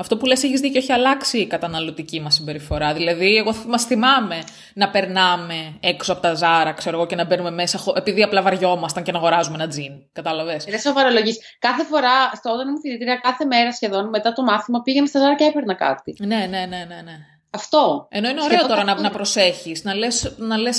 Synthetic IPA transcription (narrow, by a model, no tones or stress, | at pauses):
ɐft̪o̞pule̞seçizðicoo̞çiɐlɐksiːkɐt̪ɐnɐlo̞t̪icimɐsːimbe̞ɾifo̞ɾɐðilɐðieɣo̞mɐsθimɐme̞ | nɐpe̞ɾnɐme̞eksoɐpo̞t̪ɐzɐɾɐkse̞ɾoɣo̞ce̞nɐbe̞nume̞me̞sɐxoʔepiðiɐplɐvɐɾʝo̞mɐst̪ɐnce̞nɐɣo̞ɾɐzumenɐd͡zin | kɐt̪ɐlɐvesðesovɐɾoloʝis | kɐθe̞fo̞ɾɐst̪oot̪ɐnimufiɾit̪ɾiɐkɐθe̞meɾɐsçe̞ðo̞nme̞t̪ɐt̪o̞mɐθimɐpiʝenest̪ɐzɐɾɐcepeɾnɐkɐ̰t̪ine̞ne̞ne̞ne̞ne̞ | ɐft̪o̞e̞no̞ineoɾot̪o̞ɾɐnɐnɐpɾo̞se̞çiznɐlesnɐle̞s